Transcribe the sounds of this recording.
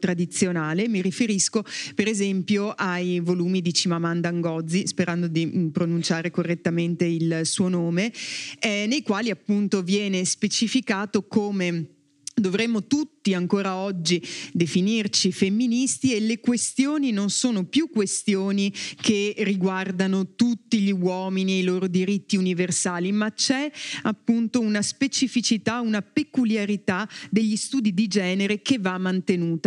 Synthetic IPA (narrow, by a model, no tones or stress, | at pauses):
t̪ɾad̪it̪sːjonaːlemiɾifeɾiskopeɾezɛmpjoʔajvoluːmid̪it͡ʃimamand̪aŋɡɔd̪zːispeɾʔand̪od̪ipɾonunt͡ʃaːɾekorːet̪ːament̪eilsuːonoːmeɛnejkwaːliapːunt̪ovjɛːnespet͡ʃifikaːt̪okoːme | d̪ovɾemːot̪ut̪ːiaŋkoːɾaɔd͡ʒːid̪efinirt͡ʃifemːinist̪ielekwest̪joːninonsoːnopjukːwest̪joːnikʰerːiɡward̪anot̪ut̪ːiʎiwɔːminieiloːɾod̪iɾit̪ːiuniversaːlimat͡ʃɛapːunt̪ounaspet͡ʃifit͡ʃit̪aunapekuljaɾit̪ad̪eʎːist̪uːd̪id̪id͡ʒɛːneɾekevːamːant̪enuːt̪a